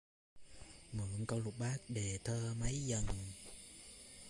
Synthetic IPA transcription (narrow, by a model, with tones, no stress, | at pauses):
mɨ̰˧˨əŋkə˧wlʊ˨˩k͡p̚ɓaː˦˥k̚ɗe˨˩t̪ʰəː˧mə˨˦jzə˨˩n